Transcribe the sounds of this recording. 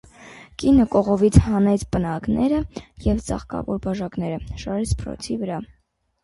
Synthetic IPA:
kinəkɔʁɔvit͡sʰhɑnɛt͡sʰpənɑknʔɛɾəjɛvt͡sɑ̰χkɑ̰vɔɾbɑʒɑknɛɾəʃɑɾɛt͡sʰpəɾɔ̰t͡sʰivəɾɑ

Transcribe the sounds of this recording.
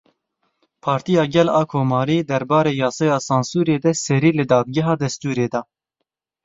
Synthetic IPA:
pʰɑːɾt̪ijɑːɡɛlɑːkʰoːmɑːɾiːd̪ɛɾbɑːɾeːjɑːsɑːjɑːsɑːnsuːɾeːd̪ɛsɛɾiːlɨd̪ɑːd̪̚ɡɛɦɑːd̪ɛst̪uːɾeːd̪ɑː

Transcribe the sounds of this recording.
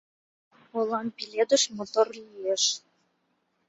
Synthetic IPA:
olɑmpiled̪ə̆ʃmot̪orlieʃ

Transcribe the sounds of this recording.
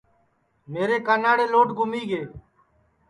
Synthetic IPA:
meːɾeːkaːnaːɽeːloːʈɡʱʊmiːɡeː

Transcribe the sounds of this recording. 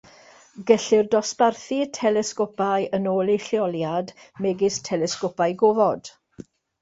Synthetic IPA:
ɡɛɬɪrdɔsparθitʰɛlɛskɔpajənoːlˠejɬjɔlˠjadmɛɡɪstʰɛlɛskɔpajɡovɔd̥

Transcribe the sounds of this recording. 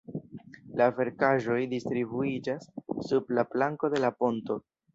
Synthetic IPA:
lave̞ɾkaʒo̞jdistɾibuid͡ʒasːublablaŋko̞de̞lapo̞nto̞

